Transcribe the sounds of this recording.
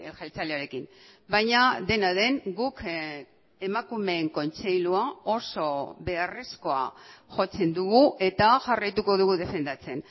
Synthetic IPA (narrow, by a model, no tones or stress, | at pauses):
elxalt͡saleoɾe̞kimbajɲaðe̞naðe̞ŋɡuk | e̞makume̞ːŋko̞nt͡se̞jluao̞so̞βe̞are̞sko̞a̰ʝo̞t͡se̞nd̪uɣuʔe̞t̪aʝarajt̪uko̞ðuɣuðe̞fe̞nd̪at͡se̞n